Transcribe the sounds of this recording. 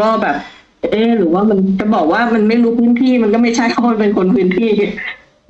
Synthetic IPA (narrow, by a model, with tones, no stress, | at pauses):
kɔː˥˩bɛː˨˩p̚ | ʔɤː˧˩ɾɯː˩˦waː˥˩ma˧nt͡ɕa˨˩bɔː˨˩k̚waː˥˩ma˧nma˥˩jɾuː˦˥pʰɯː˦˥˨nt̪ʰiː˥˩ma˧nkɔː˥˩ma˥˩jt͡ɕʰa˥˩jkɔ˥˩a˥˩pe˧nkʰo˧npʰɯː˦˥˨nt̪ʰiː˥˩